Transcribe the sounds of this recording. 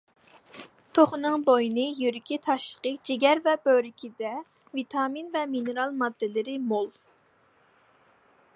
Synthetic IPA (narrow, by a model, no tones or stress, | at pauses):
t̪ʰoχnɨŋbojinɨjyɾɪkʲʰit̪ʰɑʃlˠə̥qəd͡ʒeɡʲɛɾvɛbøɾɪkʲʰid̪ɛ | vit̪ʰɑminvɛminɨɾɑlˠmɑd̪ːɨlɪɾɪmolˠ